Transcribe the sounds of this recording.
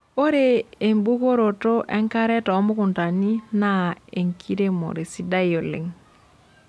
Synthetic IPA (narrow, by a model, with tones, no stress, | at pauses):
o˦ɾeː˦˨mbu˦ko˦ɾo˨to˦ʔɛ˦ŋka˦ɾɛ˦tɔ˨˦mʊ˦ku˨nta˨ni˦na˦e˨ŋkʰi˦ɾe˦mo̰˨ɾe˨si˦da˦jo˨lḛ˨ŋ